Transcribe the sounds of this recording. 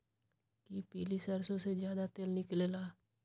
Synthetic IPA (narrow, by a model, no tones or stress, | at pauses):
kipiːlisɐɾsõsed͡ʒjaːd̪at̪eːlnɪkleːlaː